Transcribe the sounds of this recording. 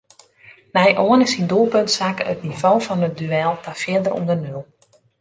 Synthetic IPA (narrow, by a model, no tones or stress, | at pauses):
nɛjʔoənɪsindulˠpøntsakə̰tnivoːfɔnət̚dyɛlˠtʰafjɪdərʔṵndərnylˠ